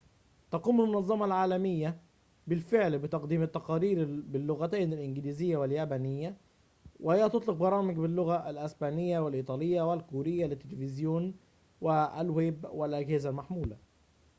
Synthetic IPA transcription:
t̪ɑquːmalmʊnɑzˤːɑmɑlʕaːlæmɪjːa | bɪlfɪʕlbɪt̪ɑqd̪iːmɪt̪ːɑqɑːɾiːɾbɪlːʊɣæt̪æːnɪlʔɪnɡɪliːzɪjːawɪljaːbænɪjːa | wʔɪhɪjːæt̪ot̪ˤlɪq̚bɑɾˤɑːmɪɡbɪlːʊɣaʔælʔæsbaːnɪjːawɪlʔiːt̪ˤɑːlɪjːawɪlkuːɾɪjːalɪt̪ːɪlɪfɪzjoːn | wɪælweːbwɪlʔaɡhɪzalmaħmuːla

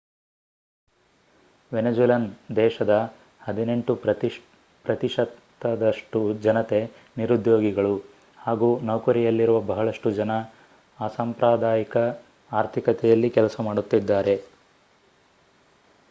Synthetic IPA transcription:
ʋened͡ʒuːlɐnd̪ɛːʃɐd̪ɐ | hɐd̪ine̞ɳʈu | pɾɐt̪iʂɐt̪ːɐd̪ɐʂʈud͡ʒɐnɐt̪e̞ | niɾud̪joːɡiɡɐɭu | haːɡuːnɐwkɐɾijɐlːiɾuʋɐbɐɦɐɭɐʂʈud͡ʒɐnɐː | sampɾaːd̪aːjikɐ | aːɾt̪ʰikɐt̪ɛjɐlːikɛlɐsɐmaːɽut̪ːid̪ːaːɾe̞

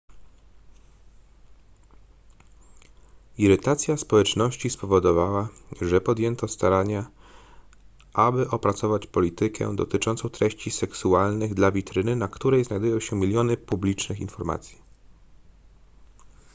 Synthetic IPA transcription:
iɾɘt̪at̪sʲjaspɔwɛt͡ʂnɔɕt͡ɕispɔvɔd̪ɔvawaʐɛpɔd̪ʲjɛnt̪ɔst̪aɾaɲa | ʔabɘʔɔpɾat̪sɔvat͡ɕpɔlʲit̪ɘkʰɛ̰d̪ɔ̰t̪ɘt͡ʂɔ̃nt̪sɔ̃w̃t̪ɾɛɕt͡ɕisɛksualnɘɣd̪lavʲit̪ɾɘnɘnakt̪uɾɛjznajd̪ujɔ̃w̃ɕɛmʲilʲjɔnɘpublʲit͡ʂnɘxḭnfɔɾma̰t̪sʲji̥

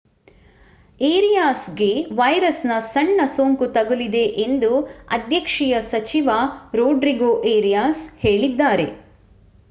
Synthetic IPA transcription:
eːɾijaːsɡe̞ʋɐjɾɐsnɐsɐɳːɐsoːŋkut̪ɐɡulid̪e̞ʔend̪uɐ̰d̪ʱjɐkʂijɐsɐt͡ʃiʋaɾoːɖɾiɡoʔeːɾijaːshe̞ːɭid̪ːaːɾe̞̰

